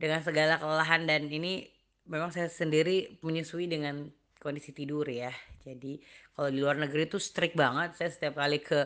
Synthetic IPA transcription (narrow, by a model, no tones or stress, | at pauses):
dəŋansəɡalakəlalaɦandanini | memaŋsajasəndiɾiməɲusuidəŋan | kondisit̪idʊrjad͡ʒadikalawdiluarnəɡəɾit̪ust̪ɾɪk̚baŋət̪̚sajasə̥t̪iap̚kalikʰə